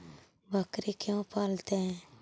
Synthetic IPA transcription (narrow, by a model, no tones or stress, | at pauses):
bʱəkɾekjõpʰaːlt̪eɦɛ̃ː